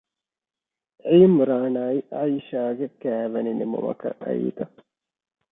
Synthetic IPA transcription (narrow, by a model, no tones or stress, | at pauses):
ʕiːmuɾaːnaːiʔaiʃaːɡekæːʋɐninimo̰mɐ̰kɐ̰ʔɐ̰ḭːt̪ɐ